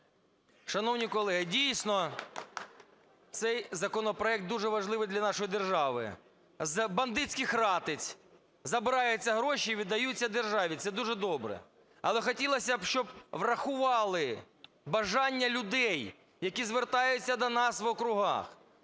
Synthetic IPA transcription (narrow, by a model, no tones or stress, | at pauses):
ʃɐnɔwnʲikɔlˠɛɦɪdʲijsʲnɔ | t̪sɛjzɐkɔnɔpɾɔɛk̚t̪̚uʒɛʋɐʒlˠɪʋɪjd̪lʲɐnɑʃɔjid̪erʒɑʋɪ̰ | zbɐnd̪ɪt͡sʲkɪxrɑt̪ɪt͡sʲ | zɐbɪɾɑjʊt͡sʲːɐɦɾɔʃiiʋʲid̪ːɐjut͡sʲːɐd̪erʒɑʋʲit̪sɛd̪uʐɛd̪ɔbɾɛ̰ | ɐlˠɛxɔtʲilˠɐsʲɐbʃt͡ʃɔb̚ʋrɐxʊʋɑlˠɪ | bɐʒɑnʲːɐlʲʊd̪ɛj | jɐkʲizʋert̪ɑjʊt͡sʲːɐd̪ɔnɑsʋɔkɾʊɦɑ̰x